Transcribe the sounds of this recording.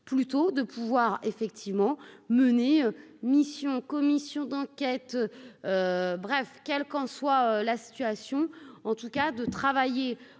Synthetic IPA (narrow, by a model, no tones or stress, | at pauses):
plyt̪od̪əpʰuvwaʁefɛk̚t̪ʰivmɑ̃məneømisjɔ̃kɔmisjɔ̃d̪ɑ̃kʲɛt̪øbʁɛfkʲɛlkɑ̃swaølasi̥t̪yasjɔ̃ɑ̃t̪ukad̪ət̪χavaje